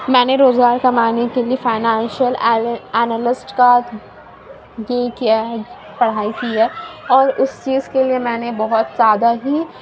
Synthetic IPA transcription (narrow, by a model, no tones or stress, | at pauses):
mɛ̃ːneɾoːzɡaːɾkamaːnekeliefaːɪnãːnʃəlɛːnəlɪsʈkaːt̪ʰ | jekiaɦ | pɐɽ̤aːikiɦɛːɔːɾʊst͡ʃiːzkeliemɛ̃ːnebɔɦʊt̪zjaːd̪aɦi